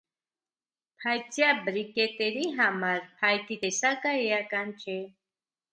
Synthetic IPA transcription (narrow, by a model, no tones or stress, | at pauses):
pʰajt͡sʰjabɾikɛt̪ɛɾiɦɑmɑɾpʰajt̪it̪ɛsakəɛjakɑnt͡ʃʰɛ